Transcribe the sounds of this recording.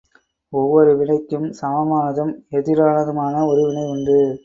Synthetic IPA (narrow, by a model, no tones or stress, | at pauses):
ɔʋːɔɾɯʋɪɳɐɪkːɯmsɐmɐmaːnɐðɯmɛðɪɾaːnɐðɯmaːnɐɔɾɯʋɪɳɐɪʊɳɖɯ